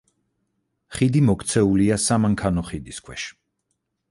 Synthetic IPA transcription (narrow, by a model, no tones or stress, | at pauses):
χid̪imɔkʰt̪sʰɛuliasamaŋkʰanɔχid̪iskʰwɛʃ